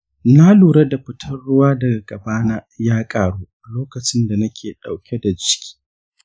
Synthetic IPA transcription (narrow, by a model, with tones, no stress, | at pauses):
na˦luː˨ɽe˦da˨ɸɪ˦tʰɐ˦rɽʊ˦waː˦dɐ˨ɡa˨ɡɐ˨baː˦na˦jaː˦kʼaː˨ɽuː˦a˨loː˦kɐ˨t͡ʃɪ˦nda˨nɐ˦kʲʰeː˨ɗa˨wkʲe˦da˨d͡ʒɪ˦kʲi̥˦